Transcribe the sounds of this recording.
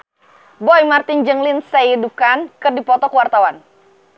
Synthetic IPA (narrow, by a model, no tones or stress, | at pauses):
bɔjmart̪ɪnd͡ʒəŋlɪnsaidup̚kankɨrdipɔt̪ɔkuwart̪awan